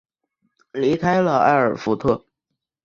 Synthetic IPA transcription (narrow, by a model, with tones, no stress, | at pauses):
li˧˥kʰa˥ɪlə˨a̰˥˩ɪə˞˨˩fu˧˥t̪ʰɤ˥˩